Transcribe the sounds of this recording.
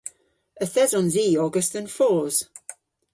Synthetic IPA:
əθɛzɔ̃nziːɔɡəstənfɔːz̥

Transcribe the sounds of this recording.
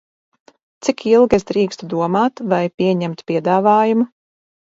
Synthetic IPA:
t̪sikʰilˠɡesd̪ɾiːkst̪ud̪uɔmaːt̪vajpʲiɛɲɛmt̪pʲiɛd̪aːvaːjumu

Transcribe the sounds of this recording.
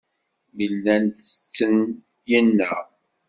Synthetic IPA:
milːænθə̥t͡sːən | jənːə

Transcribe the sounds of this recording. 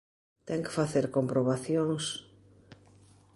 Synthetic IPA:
t̪ɛŋkɪ̥faθeɾkompɾoβaθjoŋs

